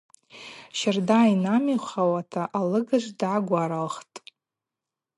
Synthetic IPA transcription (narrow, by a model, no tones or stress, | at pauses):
ʃardainamiχʷawatʰaʔalɨɡaʐdaɡʷaɾalχtʼ